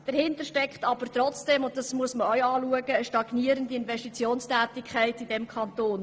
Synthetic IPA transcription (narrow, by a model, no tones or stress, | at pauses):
d̥ɛɾhɪntəɾʃtɛkχtɑb̥əɾt̪rɔt͡sd̥ɛmʊnt̚dɑsmuəsməœɥɑːluəɡəːʃtɑɡ̥niəɾəndiɪnvɛʃtit͡sjoːnstæːtikʰχæɪtidɛmkʰχɑnt̪oːn